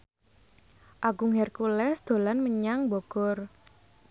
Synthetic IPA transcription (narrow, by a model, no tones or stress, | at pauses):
ʔaɡuŋɛrkulɛsd̪̥o̤lanməɲaŋbɔɡ̥ɔr